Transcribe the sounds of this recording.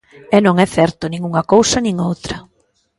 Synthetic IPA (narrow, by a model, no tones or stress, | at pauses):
ɛnõŋɛθɛɾt̪ʊnĩŋuŋɐkowsɐnĩŋowt̪ɾɐ